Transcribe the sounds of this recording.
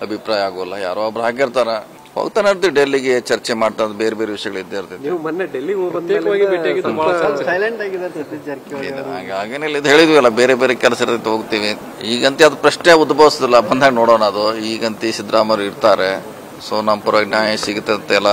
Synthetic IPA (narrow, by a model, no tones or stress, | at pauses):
ɐbʱipɾaːjɐaːɡuʋɐlːɐja̰ːɾoɐbɾɦaːɡeiɾt̪aːɾe | ho̰ːɡt̪aːneɾt̪iʋiɖelːiɡet͡ʃɐɾt͡ʃemaːɽt̪aːnd̪be̞ːɾebe̞ːɾeʋiʂjɐɡɐɭid̪ːeiɾt̪it̪ːimɐnːeɖelːiopɐt̪jeːkɐʋaːɡibiʈːaɡid̪ubaːɭsɐjleɳʈaːɡid̪aɾt̪ɐt̪id͡ʒɐɾk̪ːḛa̰ːɡeaːɡenelːid̪uɦe̞ːɭid̪ʋiɛlːɐbe̞ːɾebeːɾekɛlsiɾd̪int̪eɦoɡt̪iːʋi | iːɡɐnt̪iɐd̪upɾɐʂneud̪bʱɐʋisid̪ilːɐbɐnd̪ɦaːɡenoːɽonaːd̪uiːɡɐnt̪iʃid̪ɾaːmɐjɾuiɾt̪aːɾe | soːnɐmpuɾɐɡnaːjɐsiɡut̪ːeɐnt̪eɛlːɐ